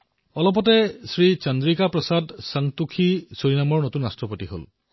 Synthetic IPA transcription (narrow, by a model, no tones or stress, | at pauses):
ɔlɔp̬ɔtɛsɹit͡ʃandɹikapɹɔsadsaŋtukʰisoɹinamɔɹnotunɹastɹɔpotiɦo̰l